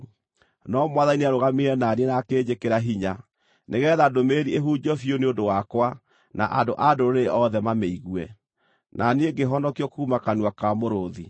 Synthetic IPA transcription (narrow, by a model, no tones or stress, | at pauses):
nɔmwaðaniniaɾoɣameɾɛnanienakeːd͡ʑekeɾaɦiɲa | neɣɛðadomeɾieɦuːd͡ʒɔfioneodowakwa | na̰ʔadoʔadoɾoɾeʔɔðɛmameiɣwɛ | nʔaneɡeɦɔnɔkiɔkumakanwakamoɾoði